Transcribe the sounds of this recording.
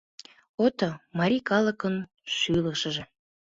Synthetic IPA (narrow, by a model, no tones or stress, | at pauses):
ot̪omɑɾʲikɑlˠəkən | ʃyləʃəʒe